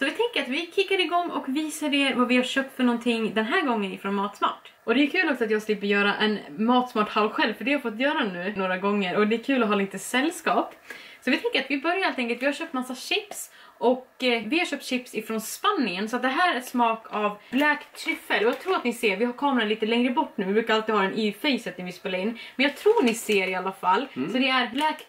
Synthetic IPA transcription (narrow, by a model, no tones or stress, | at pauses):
sɔvɪt̪ʰɛŋkəɾat̪vɪkʰɪkːaɾɪɡɔŋːɔ̰kviːsaɖɛvavɪhaɾʂœːp̚t̪fœɳɔnt̪ʰɪŋːd̪ɛnɦæːɾɡɔŋːənɪfɾɔːnmɑːt̪smɑ̰ːʈ | ɔd̪ɛʉkʰʉ̟ːlɔksɔat̪jɑːɡsliːpːəɾjœːɾaʔɛnmɑːt̪smɑːʈhaʊɧɛlvfœɖɛhaɾfɔt̪ːjœːɾanʉ̟ːnoːɾaɡɔŋːəɾɔd̪ɛːkʰʉ̟ːlɔɦɑːliːt̪əsɛlːskɑːpsɔvɪt̪ʰɛŋkəɾat̪vɪbœɾjaɾhelt̪ɛŋkəlt̪vɪhaɾɕœːp̚t̪masːaɕɪps | ʔɔkvɪhaɾʂɕœːp̚t̪ɕɪpsɪfɾɔnspanːɪənsɔat̪̚d̪ɛɦæːɾɾɛsmɑːkavblɛkt̪ʰɾɪfːəlɔjɑːɡt̪ʰɾuːɾat̪nɪseːɾvɪhaɾkʰɑːmɾaliːt̪əlɛŋɾəbɔʈːnʉ̟ːvɪbɾʉːkaɾalt̪ɪdhɑːɾɛnʔifɛjsɛt̪nɪŋvɪspeːlaɾɪnːmɛnjɑːɡt̪ʰɾuːnɪseːɾɪalːafalːsɔd̪ɛæɾblɛːk